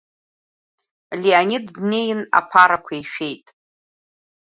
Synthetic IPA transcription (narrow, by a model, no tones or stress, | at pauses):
lianidne̞jna̰pʰaɾakʷʰaiʃᶣe̞jtʼ